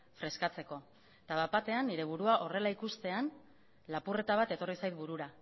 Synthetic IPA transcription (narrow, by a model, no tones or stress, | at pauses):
fɾe̞skat͡se̞ko̞ | t̪aðapat̪e̞anːiɾe̞β̞uɾuaʔo̞re̞laikust̪e̞an | lapure̞t̪aβ̞at̪e̞t̪o̞risajt̪̚buɾuɾa